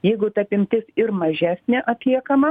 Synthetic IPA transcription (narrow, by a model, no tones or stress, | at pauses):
jɛɪɡʊt̪ɐpʲɪmʲt̪ʲɪsɪɾmɐʒʲæːsʲnʲɛʔɐt̪ʲlʲiɛkɐmɐ